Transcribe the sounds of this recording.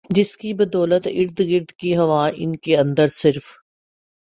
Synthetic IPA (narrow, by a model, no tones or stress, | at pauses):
d͡ʒɪskibɐd̪ɔːlət̪ɪɾd̪ɡɪɾd̪kiɦɐʋaːʔɪ̰nkeɐ̃nd̪əɾsɪɾf